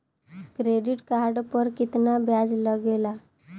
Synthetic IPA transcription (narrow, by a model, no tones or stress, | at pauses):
kɾeɖiʈkaɾɖpəɾkit̪nabjad͡zləɡela